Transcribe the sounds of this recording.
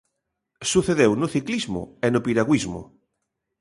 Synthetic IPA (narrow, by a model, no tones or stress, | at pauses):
suθeðewnoθiklizmʊ̰enopiɾaɣwizmʊ̰